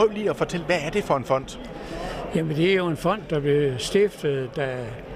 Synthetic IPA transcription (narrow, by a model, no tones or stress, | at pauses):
œʊliɒ̽fɒ̽t͡sʰel̰ʋæːɐd̥e̝fɒ̽e̝nfɒ̽n̰d̥ | jæmənd̥e̝æɐjo̝e̝nfɒ̽n̰d̥ːɑ̈b̥le̝sd̥ifd̥ð̩ˠd̥æ